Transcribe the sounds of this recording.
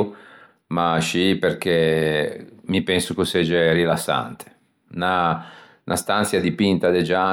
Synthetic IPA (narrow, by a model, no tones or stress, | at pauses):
maʃiperk̟e | mipɛnsukosɛd͡ʒɛrilasːa̰nt̪ʰe̥ | na | nʔa̰st̪ansjad̪ipint̪ad̪ed͡ʒa